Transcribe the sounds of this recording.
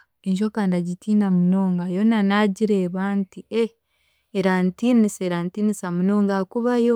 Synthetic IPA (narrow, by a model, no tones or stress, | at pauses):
eɲʃokandaɟitiːnamuno̞ːŋɡajonanaɟiɾeβaːntie | eɾantiniseɾantinisamunoːŋɡakuβajo